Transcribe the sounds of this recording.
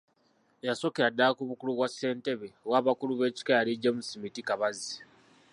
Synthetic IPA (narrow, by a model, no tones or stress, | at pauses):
jaso̞keɾadːakuβukuluβwase̞ːnte̞βeowaːβakuluβe̞ːci̥kajaliɟomusimitikaβazi